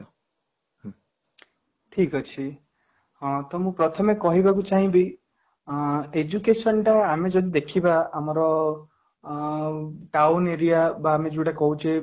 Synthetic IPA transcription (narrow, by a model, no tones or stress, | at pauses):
ʈʰikɔt͡ʃʰi | hɔ̃t̪ɔmũpɾɔt̪ʰɔmekɔɦibakut͡ʃaɦĩbi | ed͡ʒukesɔnʈaːmed͡ʒɔd̪id̪ekʰibaamɔɾɔ | ʈawneɾijabaːmed͡ʒuʈakɔɦut͡ʃʰe